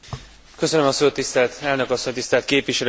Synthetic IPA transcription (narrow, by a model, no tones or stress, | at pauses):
kø̞sønmɒsoːt̪ːist̪ɛlt̪ɛlnø̞kɒsːo̞ɲt̪ist̪ɛlt̪̚keːpʋiʃɛl